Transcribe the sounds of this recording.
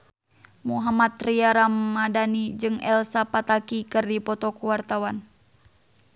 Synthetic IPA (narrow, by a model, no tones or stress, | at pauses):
muɦamat̪riaɾamːadanid͡ʒɨŋɛ̰lsapat̪akikɨrdipɔt̪ɔkuwart̪awan